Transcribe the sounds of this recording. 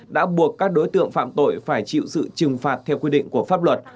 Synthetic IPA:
ɗa̰ː˧˥ɓu˨˩əkːaː˦˥k̚ɗo˨˦jt̪ɨ̰˧˨əŋfa̰ː˧˨mt̪o̰˧˨jfaː˧˩jt͡ɕḭ˧˨wsɨ̰˧˨t͡ɕɨ˨˩ŋfaː˨˩t̚t̪ʰɛ˧wkwi˧ɗḭ˧˨ŋ̟ku˧˩əfaː˦˥p̚lwə˨˩t̚

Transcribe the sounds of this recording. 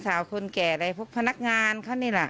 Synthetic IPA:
saː˨˦wkʰo˧nkɛː˨˩ɾa˧jpʰo˦˥˩pʰa˧na˦˥k̚ŋaː˧nkʰa˥˩wniː˧˩la˨˩ʔ

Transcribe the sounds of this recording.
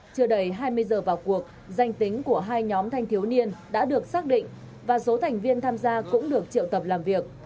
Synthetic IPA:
t͡ɕɨ˧˩əɗə˨˩jɦaː˧jmɨ˧əjzəː˨˩vaː˨˩wku˨˩ək̚ | za˨˩jŋ̟t̪ï˨˦ŋ̟ku˧˩əɦaː˧jɲɔ˨˦mt̪ʰa˧jŋ̟t̪ʰi˨˦wni˧ənɗa̰ː˧˥ɗɨ˨˩ək̚saː˦˥k̚ɗḭ̈˧˨ŋ̟ | vaː˨˩so˨˦t̪ʰa˨˩jŋ̟vi˧ənt̪ʰaː˧mzaː˧kʊ̰˧˥ŋ͡mɗɨ˨˩ək̚t͡ɕḭ˧˨əwt̪ə˨˩p̚laː˨˩mvi˨˩ək̚

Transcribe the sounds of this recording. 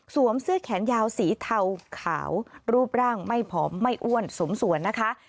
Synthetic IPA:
su˩˦əmsɯ˦˥əkʰɛː˩˦njaː˧wsiː˩˦t̪ʰa˧wkʰa̰ː˩˦wɾuː˥˩p̚ɾaː˥˩ŋma˥˩jpʰɔː˩˦mːa˥˩jʔu˥˩ənso˩˦msu˩˦ənːa˦˥kʰa˦˥ʔ

